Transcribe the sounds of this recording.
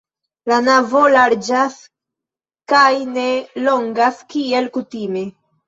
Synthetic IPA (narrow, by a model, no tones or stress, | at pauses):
lanavo̞laɾd͡ʒas | kajne̞lo̞ŋɡaskie̞lkutime̞